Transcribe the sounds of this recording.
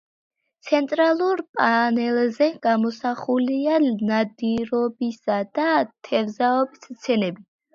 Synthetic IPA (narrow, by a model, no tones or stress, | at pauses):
t̪sʰɛnt̪ʼɾalˠuɾpʼanɛlzɛɡ̥amɔsaχulianad̪iɾɔbisad̪at̪ʰɛvzaɔbist̪sʰɛnɛbi